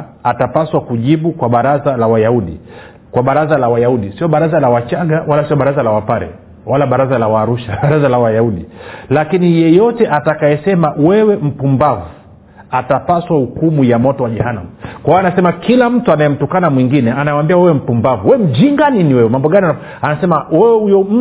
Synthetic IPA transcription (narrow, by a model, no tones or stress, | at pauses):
atapaswakuʄiɓukwaɓaɾazalawajauɗḭ | kwaɓaɾazalawajauɗisiɔɓaɾazalawat͡ʃaɡawalasiɔɓaɾazalawapaɾɛ̰ | walaɓaɾazalawaːɾuʃaaɾazalawajauɗilakinijɛjɔtɛʔatakajɛsɛmawɛwɛm̩pumbavu | atapaswahukumujamɔtɔwaʄɛhana̰m̩kwaɔanasɛmakilam̩tuanajɛm̩tukanamwiŋɡinɛanaambiawɛwɛm̩pumbavuwɛm̩d͡ʒiŋɡaniniwɛwɛmambɔɠania | anasɛmawɛwɛhujɔm̩